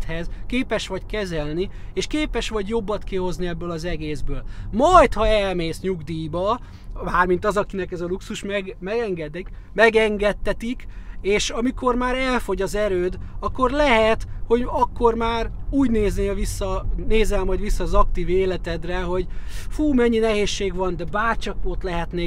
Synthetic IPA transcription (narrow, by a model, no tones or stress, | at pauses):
t̪hɛzkeːpɛʃʋɒɟkɛzɛlnieːʃkeːpɛʃʋɒɟjo̞bːɒt̪keːɦo̞zniɛbːøːlɒzɛɡeːzbøːlmɒjt̪hɒɛlmeːsɲuɡd̪iːbɒ | maːrmint̪ɒzɒkinɛkɛzɒluksuʃmɛɡmɛɡɛŋɡɛd̪ɛk | mɛɡɛŋɡɛt̪ːɛt̪ikeːʃɒmiko̞rmaːɾɛlfo̞ɟɒzɛɾøːd̪ɒkːo̞rlɛɦɛt̪ho̞ɟɒkːo̞rmaːruːɟneːzneːlvisːɒneːzɛlmɒjd̪ʋisːɒːzɒkt̪iːveːlɛt̪ɛd̪rɛɦo̞ɟfuːmɛɲːinɛɦeːʃːeːɡʋɒnd̪ɛbaːrt͡ʃɒko̞t̪lɛɦɛt̪neː